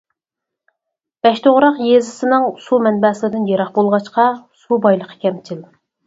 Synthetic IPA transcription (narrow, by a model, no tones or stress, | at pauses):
b̥ɛʃt̪ʰoʁɾɑqjezɪsɪnɨŋsumɛnbɛslɨd̪ɪnjeɾɑχbolˠʁɑt͡ʃqɑsubɑjlˠəqʰə̥kʲɛmt͡ʃʰɪl